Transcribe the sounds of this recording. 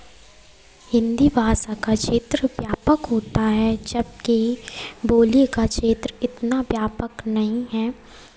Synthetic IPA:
hɪ̃nd̪ibʱaːsakaʃeːt̪ɾəʋjaːpəkɦoːt̪aɦɛd͡ʒɐb̚kiboːlikaʃeːt̪ɾɪt̪naʋjaːpəknɐɦĩɦɛː

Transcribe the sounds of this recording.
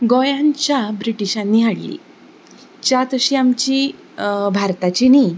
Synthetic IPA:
ɡɔjãɲt͡ɕjabɾiʈiɕãnːiːɦaɽlḭ | t͡ɕjat̪əɕiːamt͡ɕi | bʱaɾt̪at͡ɕini

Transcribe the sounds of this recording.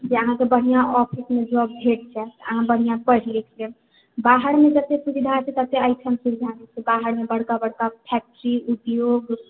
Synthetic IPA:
d͡ʒeəɦãkebəɽ̤ijaʔɔpʰismed͡ʒɔbbʱeʈ̚t͡ʃʰɛt̪əɦãbəɽ̤ijãpəɽlekt͡ʃʰe | baɦəɾmed͡ʒət̪esubid̪ʱat͡ʃʰɛt̪ət̪eaɪʈʰəmsuld̪ʱanɛt͡ʃʰɛbaɦəɾmebəɽ̤kabəɽkapʰɛk̚ʈəɾiut̪joɡ

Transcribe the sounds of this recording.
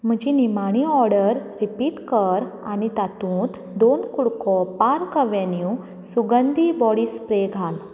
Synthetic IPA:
m̤əd͡ʑinimaɽ̃iɔɾɽəɾɾipiʈkəɾanit̪at̪ũːt̪ | d̪onkuɽkɔpaɾkəʋenju | suɡənd̪ibɔɽiːspɾeɡʱal

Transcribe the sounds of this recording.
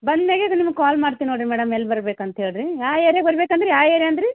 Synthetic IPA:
bɐnd̪meːɡeɐd̪ɐnimɐɡ̚kaːlmaːɽt̪ininoɽɾimɛːɽɐmelːbɐɾbeːkɐnt̪ɐɦeːɭɾijaːeːɾeɡbɐɾibeːkɐnd̪ɾejaːeːɾeɐnd̪ɾi

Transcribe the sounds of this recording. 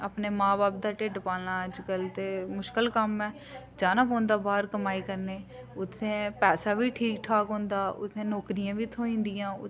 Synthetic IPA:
aːpneːmãːbaːp̚d̪aːʈeːɖpaːnaːəd͡ʒkəlt̪eːmʊʃkəlkəmɛː | d͡ʒaːnãːpɔ̃ːnd̪aːbaːɾkəmaːiːkəɾneː | ʊt̪ʰːẽːpɛːsaːʋiːʈʰiːkʈʰaːkɦõːnd̪aːʊ̰t̪ʰːẽːnoːkɾɪjãːʋiːt̪ʰoːĩːnd̪ɪjãːʊ

